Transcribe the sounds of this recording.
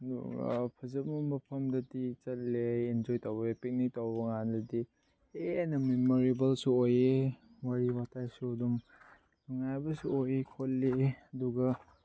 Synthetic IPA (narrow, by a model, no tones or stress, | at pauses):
dṵɡɐ̰pʰɐzɐp̚mɐmbɐpʰɐmdɐdit͡ʃɐt̚leind͡ʒojtawbɐepik̚nitawbɐŋandɐdi | eanɐmemoɾibɐlsuoje | waɾiwatʰajsuɐdum | aŋajbɐsuojekʰolːeɐduɡɐ